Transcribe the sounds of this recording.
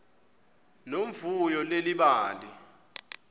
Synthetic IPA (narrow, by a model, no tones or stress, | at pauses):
noɱvujɔleliɓaːli